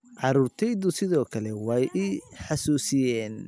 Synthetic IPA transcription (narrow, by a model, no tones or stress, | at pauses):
ʕɑɾuːrt̪ʰɛjðʊsɪðɔːkʰɐlɛwɑjʔiħɑsuːsɪjɛːn